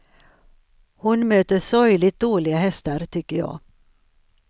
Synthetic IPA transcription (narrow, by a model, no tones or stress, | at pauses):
hʊnmøːt̪əʂɔjlɪt̪̚d̪oːlɪɡaɦɛst̪aɾt̪ʰʏkːəɾjɑ̰ː